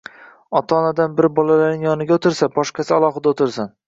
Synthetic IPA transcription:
ɒt̪ʰaːnad̪anbɪɾbɒlalaɾnɪŋjɒnɪɡʲaot̪ʰɪɾsabɒʃqɑsɪalˠɒχɨd̪aot̪ɪɾsan

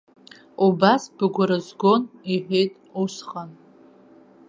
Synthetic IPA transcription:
ubasbɨɡʷaɾɨzɡo̞niħʷᶣejtʼusχan

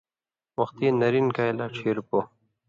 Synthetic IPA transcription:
wɐxt̪inɐɾinkajlaːʈ͡ʂʰiɾupo

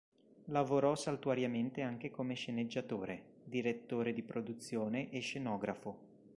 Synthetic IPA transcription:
lavoɾɔsalt̪uaɾjament̪eaŋk̟ekomeʃened͡ʒːat̪oːɾe | d̪iɾet̪ːoːɾed̪ipɾod̪ut̪sːjoːneʔeʃːenɔːɡɾafo

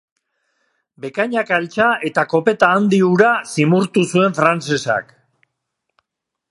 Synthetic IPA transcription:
be̞kaɲakalt͡ʃae̞t̪ako̞pe̞t̪aːnd̪iuɾasimuɾt̪usue̞ɱfɾant͡se̞sa̰k

